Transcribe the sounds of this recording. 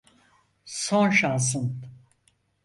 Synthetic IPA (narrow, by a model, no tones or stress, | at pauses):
sõnʃans̬ɯn